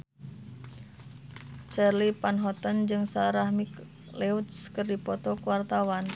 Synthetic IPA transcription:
t͡ʃɛrlipanɦɔt̪ənd͡ʒɨŋsaɾahmik | lɛut̪skɨrdipɔt̪ɔkuwart̪awan

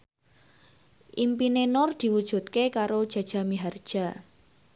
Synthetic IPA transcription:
ʔimpinenɔrd̪̥i̤wud̥ʒ̥ṳt̪̚kekaɾod̥ʒ̥ä̤d̥ʒ̥a̤miɦard̥ʒ̥a̤

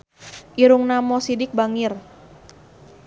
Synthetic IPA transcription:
ʔiɾʊŋnamɔsidɪk̚baŋɪr

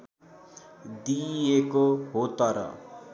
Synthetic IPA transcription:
d̪ijekoɦot̪ʌɾʌ̰

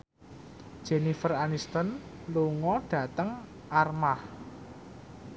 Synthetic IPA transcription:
d̥ʒ̥ɛnifəranist̪ənluŋɔɖ̥ä̤t̪əŋ | ʔarmah

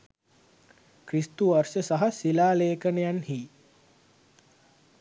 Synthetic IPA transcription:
kɾist̪uʋarʂəsaɦasilaːleːkənejanhiː

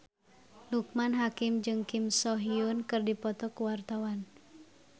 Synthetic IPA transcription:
luk̚manɦakɪmd͡ʒɨŋkimsɔɦiunkɨrdipɔt̪ɔkuwart̪awan

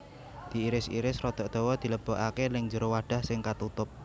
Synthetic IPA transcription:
d̪̥i̤iɾɪsḭɾɪsrɔd̪̥ɔ̤ʔd̪̥o̤wɔd̪̥i̤ləb̥ɔ̤ʔakelɪŋɲd͡ʒəɾowaɖ̥a̤hsɪŋkat̪ut̪ʊp̚

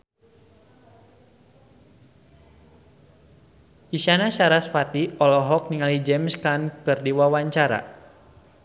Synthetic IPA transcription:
ʔisanasaɾaspat̪iɔlɔɦɔk̚niŋalid͡ʒɛmskankɨrdiwawaɲt͡ʃaɾa̰

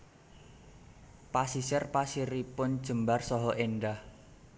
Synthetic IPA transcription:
pasisɛrpasiɾipʊnd̥ʒ̥ə̤mbarsɔɦɔʔenɖah

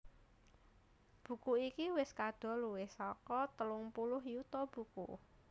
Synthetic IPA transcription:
b̥ṳkuikiwɪskad̪̥ɔ̤luwɪhsɔkɔt̪əlʊŋpulʊɦjut̪ɔb̥ṳkṵ

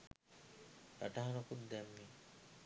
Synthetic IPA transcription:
ɾa̰ʈaɦanokund̪ɛmːi

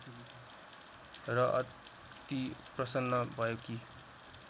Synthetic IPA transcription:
rʌʔʌ̰ | t̪iprʌsʌnːʌbʱʌjoki

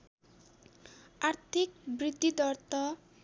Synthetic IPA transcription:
aɾt̪ʰik̚bɾid̪ʱːid̪ɔɾt̪ɔ

